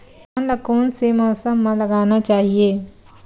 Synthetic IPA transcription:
nləkoːnsemɔːsəmːãlɐɡaːnat͡ʃaːɦieː

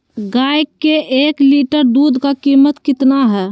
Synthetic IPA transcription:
ɡajkːeʔeːkliʈəɾd̪uːd̪ʱkakiːmət̪kɪt̪naɦɛː

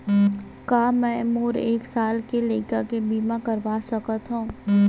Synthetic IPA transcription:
kaːmɛ̃ːmoːɾeːksaːlkeleːkəkebiːmãkɐɾʋaːsɐkət̪ɦũː

